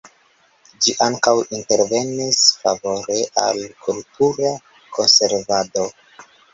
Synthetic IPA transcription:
d͡ʒiʔaŋkawinte̞ɾve̞nisfa̰vo̞ɾe̞ʔa̰lkʰultuɾa | kʰo̞nse̞ɾvado̞

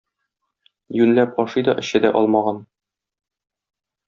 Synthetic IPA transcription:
jʉnlæp̚ɒʃɤjd̪ɒ̰ʔɘ̆ɕɘd̪æ̰ʔɒlˠmɑʁɑn

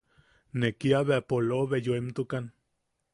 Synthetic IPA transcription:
nekiaβeapoloβejoemt̪ukan

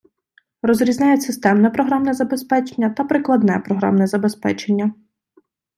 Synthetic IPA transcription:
rɔzɾʲizʲnʲajɛsɪst̪ɛmnɛpɾɔɦɾamnɛzɐbe̞spɛt͡ʃenʲːɐt̪ɐpɾɪklˠɐd̪nɛpɾɔɦɾa̰mnɛzɐbespɛ̰t͡ʃenʲːɐ

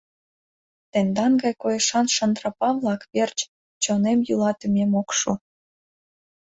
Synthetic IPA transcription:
t̪ĕnd̪ɑnɡɑjkojeʃɑnʃənd̪rɑpɑβlɑkβert͡ɕ | t͡ɕonemjulɑt̪ymemokʃu

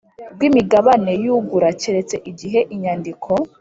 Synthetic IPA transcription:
ɡwimiɡaβane̞juɡuɾat͡ʃeɾet͡se̞ʔiɡiɦe̞ʔiɲandikʰo̞

